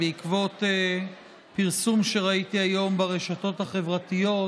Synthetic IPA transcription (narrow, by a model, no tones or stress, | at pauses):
eikvo̞t̪e | piʁsumʃe̞ʁait̪iajo̞mbaʁeʃato̞t̪haχevʁatijo̞